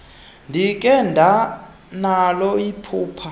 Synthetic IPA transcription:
ndʱik̬ʼɛndʱa | nalɔipʰuːpʰa

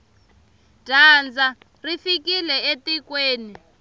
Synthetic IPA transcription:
d̥ʱaːnd͡za | rifikilɛetikweːni

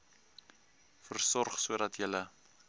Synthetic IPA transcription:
fərsɔrχsuədɐtjələ

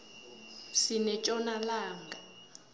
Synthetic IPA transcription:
sinɛt͡ʃʼɔnalaːŋɡa

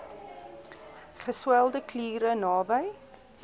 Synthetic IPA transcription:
χəswɛlˠdəkliːɾənɑːbəj

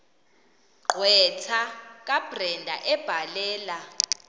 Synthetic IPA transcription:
ǃʱwɛtʰak̬ʼab̥rɛndʱa̰ʔɛb̥ʱalɛːla

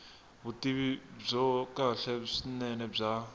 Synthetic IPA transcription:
βutiβib͡ʐɔkʼaɬɛʂinɛnɛb͡ʐa

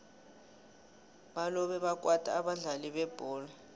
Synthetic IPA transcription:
ɓalɔɓɛɓak̬ʼwatʰʼa̰ːɓaɮaliɓɛb̥ʱɔːla

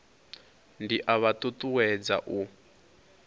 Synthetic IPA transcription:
ndiʔaβat̪ut̪uwɛd͡za̰ʔu

